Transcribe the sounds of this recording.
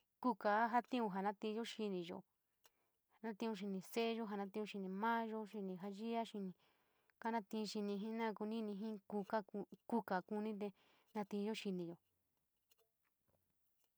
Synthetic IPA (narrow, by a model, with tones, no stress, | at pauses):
ku˦ka˨˦ɦa˧t̪ĩ˦ũ˧ɦa˨nã˦t̪ĩ˧o˦ʃi˧nĩ˧ʒo̰˨ | ha˨nã˦t̪ĩ˧ũ˧ʃ̬i˧nĩ˧˨se˦ʒo˦ɦa˧nã˧t̪ĩ˧ũ˧ʃi˧nĩ˧mãː˦ʒo˧ʃi˧nĩ˧ɦa˧ʒi˦a˦ʃi˧nĩ˧ | ka˦nã˧˦t̪ĩ˧ʃi˧nĩ˧ɦĩ˦nã˦˧ku˧nĩ˦nĩ˧ɦĩ˦ku˧ka˦˧ku˦ka˨ku˧nĩ˦t̪̬e˧ | nã˧t̪ĩ˧ʒo˦ʃi˧nĩ˧jo˨